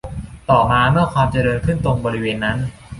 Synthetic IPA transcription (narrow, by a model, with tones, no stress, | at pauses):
t̪ɔː˨˩maː˧mɯ˥˩ɐkʰwaː˧mt͡ɕa˨˩ɾɤː˧nkʰɯ˥˩nt̪o˧ŋbɔː˧ɾi˦˥weː˧nːa˦˥n